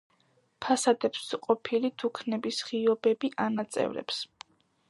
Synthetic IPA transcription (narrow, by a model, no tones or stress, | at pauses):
pʰasad̪ɛpsqʼɔpʰilid̪ʰukʰnɛbisχiɔbɛbiʔanat̪sʼɛ̰vɾɛ̰ps